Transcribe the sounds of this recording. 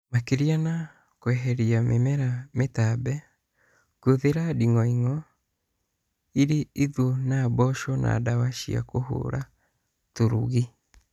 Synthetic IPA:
makeɾiana | kwɛɦɛɾiamemɛɾametabɛ | ɡ̥oðeɾadiŋɔiŋɔ | iɾeiðonabɔʃɔna̰ːdawaʃia̰koho̰ɾa | toɾṵɣi

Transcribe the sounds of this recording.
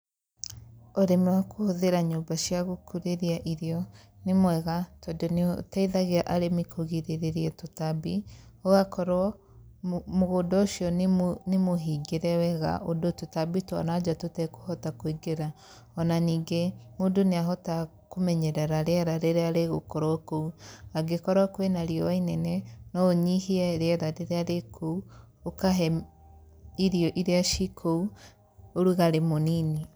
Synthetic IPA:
oɾemɛwakohoðeɾaɲoːmbaʃiaɣokʰuɾeɾiaʔiɾjɔnemwɛɣatɔdon̰taiðaɣeaʔaɾemikʰoɣiɾeɾeɾiɛtotabioɣakɔɾwɔ | moɣoːndɔoʃiɔnnemoɦiɡeɾɛwɛɣa̰ʔodototabitwa̰nad͡ʒatotɛko̥hɔtakoiɡeɾa | ɔnaniːɡemodoneaɦɔta | komɛɲɛɾɛɾaɾeɛɾaɾeɾeaɾeɣokɔɾɔkouaɡekɔɾakwenaɾiɔwainɛnɛnɔoɲihiɛɾeɛɾaɾeɾeaɾekʰou | okaɦɛ | iɾiɔʔiɾeaʃikʰou | oɾuɣaɾemonini

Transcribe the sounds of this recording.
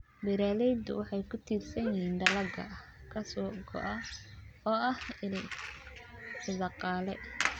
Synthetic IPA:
bɪɾaːlɛjd̪ʊwɑħɑjkʰʊt̪ʰiːrsɐnɪɦiːnd̪ɐlɐɡɐ̰ | kʰɐsɔːɡɔ̰ʔɐɔːɐhɪlɛ | ħɪlɑqɑːlɛ̰

